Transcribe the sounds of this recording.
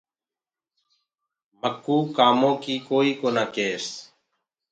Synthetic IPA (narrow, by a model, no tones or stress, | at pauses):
məkːuːkaːmõːkiːkoːiːkoːnaːkeːs